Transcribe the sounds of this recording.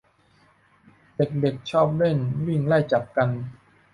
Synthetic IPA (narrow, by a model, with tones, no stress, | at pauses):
de˨˩k̚de˨˩k̚t͡ɕʰɔː˥˩p̚le˥˩nwi˥˩ŋla˥˩jt͡ɕa˨˩p̚ka˧n